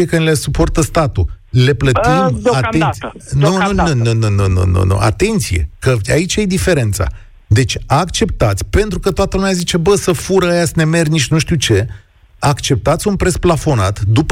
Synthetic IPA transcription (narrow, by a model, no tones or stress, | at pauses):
ekənilesupo̞rt̪əst̪at̪u | le̞plət̪imat̪ent̪nununununununṵnṵnṵʔa̰t̪e̞nt̪sije̞̰kəait͡ʃajed̪ife̞ɾe̞nt̪sa̰ | d̪e̞t͡ʃʲakt͡ʃe̞p̚t̪at̪sʲpe̞nt̪ɾukət̪oat̪əlumʲajazit͡ʃe̞bəsəfuɾəajasəne̞me̞rʲniʃnuʃt̪iuwt͡ʃe̞ | akt͡ʃe̞p̚t̪at̪sʲunpɾe̞splafo̞nat̪d̪up